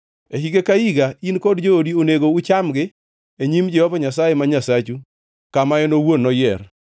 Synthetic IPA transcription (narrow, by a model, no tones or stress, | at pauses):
eɦiɡekaiɡainkɔdd͡ʒoodioneɡout͡ʃamɡɪ | eɲimd͡ʒɛhɔvaɲas̬ajemaɲasat͡ʃu | kamajɛnowonːɔjɛɾ